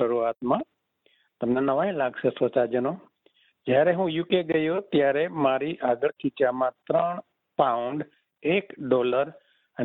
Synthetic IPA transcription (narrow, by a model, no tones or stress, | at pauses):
əɾuaːt̪mã | t̪əmnãnəʋaĩlaːɡsesot͡ʃad͡ʒəno | d͡ʒaːɾeɦũjukeɡəjot̪jaːɾemaːɾiʔaːɡəɽkʰit͡ʃamãt̪ɾəɽ̃ | paʊɳɖ | eːkɖoːləɾ | ə